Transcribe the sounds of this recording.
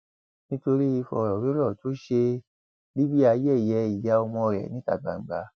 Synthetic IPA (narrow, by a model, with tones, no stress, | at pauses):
nĩ˦to˧ɾi˦i˧fɔ̰˧˨ɾɔ˨ɾe˦lɔ˦˨to˨˦ʃe˧ | li˦bi˦a˧jɛ˦˨jɛ˧˦i˨ja˦o˧mɔ̃˧ɾɛ̰˨nĩ˦ta̰˨ɡ͡ba̰˨ŋ͡m̩˨ɡ͡ba˧˦